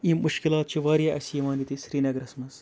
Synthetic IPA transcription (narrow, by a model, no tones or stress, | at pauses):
imʔuʃkilaːt̪̚t͡ʃʰiʋaːɾjaʔɐ̰sijiʋaːnd̪it̪isɾiːnɐɡɾɐsmɐz